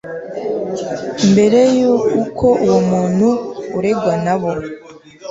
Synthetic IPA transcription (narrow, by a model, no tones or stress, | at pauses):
mbe̞ɾe̞juːkʰo̞ʔuwomuːn̥huːɾe̞ɡwanaβo